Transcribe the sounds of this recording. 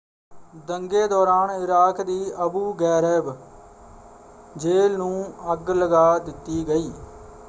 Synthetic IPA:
d̪əŋɡeːd̪ɔːɾaːnɪɾaːkd̪iːʔəbuːɡɛːɾəb | d͡ʒeːlnũːəɡləɡaːd̪ɪt̪ːiːɡəiː

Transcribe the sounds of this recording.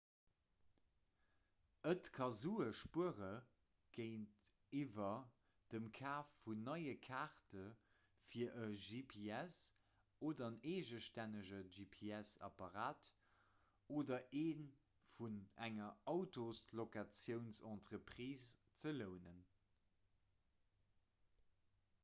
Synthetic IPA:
ətkʰɑzuːəʃpuəʁə | ɡ̥əɪnt | ivɐ | d̥əmkʰaːfːunːɑɪəkʰaːʁtə | fiːɐʔəʒipʰiɛs | oːdɐneːʒəʃtænəʒəʒipʰeæsɑ̰pɑʁaːt | oːdɐʔeːn | funæŋɐɑʊtoslokat͡sjəʊnsɑ̃ːntʁəpʁ̥iːst͡sələʊnən

